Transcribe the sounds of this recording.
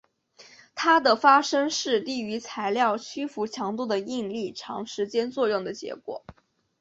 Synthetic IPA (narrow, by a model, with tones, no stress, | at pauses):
t̪ʰa˥d̪ə˨fa˥ʂɤ˥ŋʂɻ̩˥˧t̪i˥˩y˧˥t͡sʰa˧˥ɪljɑ˥˩ʊt͡ɕʰy˥fu˧˥t͡ɕʰjɑ˧˥ŋt̪u˥˩d̪ə˩i˥˧nli˥˩ʈ͡ʂʰɑ̰˧˥ŋʂɻ̩˧˥t͡ɕjɛ˥nt͡swɔ˥˧jʊ˥˩ŋd̪ə˩t͡ɕjɛ̰˧˥kwɔ̰˨˩˦